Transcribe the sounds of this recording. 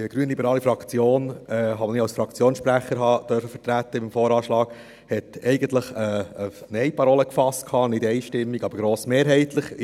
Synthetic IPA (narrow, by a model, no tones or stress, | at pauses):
əɡ̥ɾyənlibəɾɑːlifɾɑkt͡sjoːnɛɦɑmnɪɑlsfɾɑkt͡sjoːnsʃpɾæχəɾɦɑːd̥̪œɾfəfətɾætːəɪmfɔːɾɑːʃlɑːɡ̥ | hɛtɛɪɡən̩tləχəːnɛɪpʰɑɾoːləkfɑst̚kʰɑːnɪdɛɪʃtɪmːiɡɑbəɾɡɾoːsmeːɾɦɛɪt̪ləχ